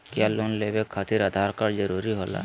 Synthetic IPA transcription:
kjaːloːnleːbekʰːat̪iɾəd̪ʱaɾkaɾd͡ʒəɾuɾiɦoːla̰ː

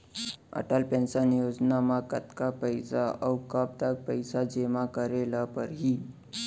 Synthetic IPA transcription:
ə̰ʈalpẽnsanjod͡znamakət̪kapəjsaʔəwkap̚d̪ak̚pəjsad͡ʑemakəɾelapəɾɦiː

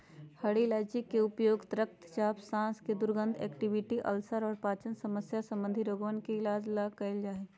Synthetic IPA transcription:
hɐɽilaːd͡ʒikːeʊpjoːɡt̪ɾəkt̪t͡ʃaːpsãːsked̪ʊɾɡə̃nd̪ʰɛ̰ːkʈɪʋɪʈiʔɐ̰lsəɾɔːɾpaːt͡ʃənsɐməsjasɐ̃mbə̃nd̪ʱiɾoːɡʋənkeɪlaːd͡ʒlakɐɪld͡ʒaːɦeː

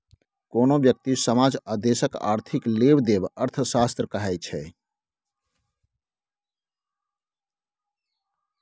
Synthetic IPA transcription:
konobjək̚t̪isəmad͡ʒad̪esəka̰ɾt̪ʰiklebd̪ebəɾt̪ʰəsast̪ɾəkəɦɛjt͡ʃʰɛ

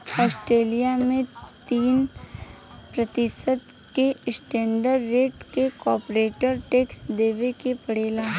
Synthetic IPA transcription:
ɔːsʈɾeːlijamẽt̪iːn | pɾɐt̪ɪsəd̪ | kesʈẽːɳɖəɾːeːʈkekɔːɾpɾeːʈəɾʈeːksd̪eːʋekepɐɽeːlaː

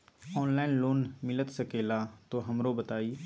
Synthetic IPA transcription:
ɔːnlaːɪnloːnmɪlət̪səkeːlat̪oɦɐmɾobət̪aːiː

